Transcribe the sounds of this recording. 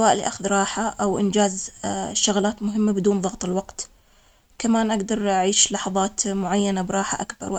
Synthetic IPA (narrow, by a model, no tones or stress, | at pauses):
waːʔlːḭʔaxʊðɾˤɑːħaʔawʔɪ̰nd͡ʒaːzʃːʊɣlaːt̪mʊɦɪmːabɪd̪uːnðˤɑɣt̪ˤɪlwɑqt̪ | kamaːnʔaɡd̪ɑɾˤʔaʕiːʃlɑħɑðˤɑːt̪mʊʕajːanabɾˤɑːħa̰ʔa̰kbɑ̰ɾˤw